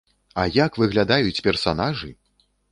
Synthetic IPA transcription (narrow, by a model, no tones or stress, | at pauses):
ajakvɨɣlʲad̪ajut͡sʲpʲɛrsanaʐɨ